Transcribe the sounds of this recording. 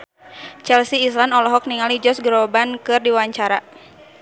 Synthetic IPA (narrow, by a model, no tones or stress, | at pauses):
t͡ʃɛlsiːslanɔlɔɦɔk̚niŋalid͡ʒɔsɡɾɔbankɨrdiwaɲt͡ʃaɾa